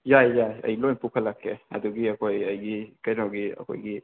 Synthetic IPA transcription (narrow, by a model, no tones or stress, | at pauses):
jajjaɐ̰jlojnpukʰalakʰːea̰duɡiɐkojajɡikajnawɡiɐ̰kʰo̰jɡi